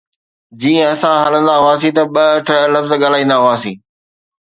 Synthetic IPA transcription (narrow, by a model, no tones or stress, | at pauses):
d͡ʑiːə̃ɐsãɦɐlə̃nd̪aɦʊaːsĩt̪ɐɓɐʈʰlɐfzɠaːlaːĩːnd̪aɦʊaːsḭ̃ː